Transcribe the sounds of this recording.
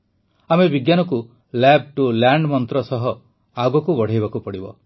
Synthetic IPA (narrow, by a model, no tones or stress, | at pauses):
amebiɡjanɔku | lab̚ʈulaɳɖmɔnt̪ɾɔsɔɦɔ | aɡɔkubɔɽ̤ajbakupɔɽibɔ̰